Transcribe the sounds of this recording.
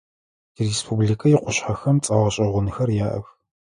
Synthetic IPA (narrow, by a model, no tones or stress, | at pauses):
irespʰublikʰʼɐjɪqʷʊɕħaxɐmt͡sʼɐʁɐɕʼɐʁʷʊnɨxɐrjaːʔɐ̰x